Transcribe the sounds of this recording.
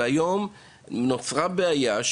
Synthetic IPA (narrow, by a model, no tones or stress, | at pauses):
ajo̞m | not͡sʁabeajaʃ